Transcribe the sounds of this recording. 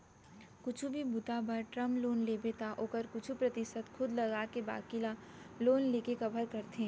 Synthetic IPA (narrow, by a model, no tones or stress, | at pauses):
kʊt͡ʃʰubʱibʊt̪abɐɾʈɾɐmploːnleːbet̪aʔoːkəɾkʊt͡ʃʰupɾɐt̪ɪʃət̪xʰʊd̪lɐɡaːkeba̰ːkɪlaloːnleːkekɐbʱəɾkɐɾt̪ẽː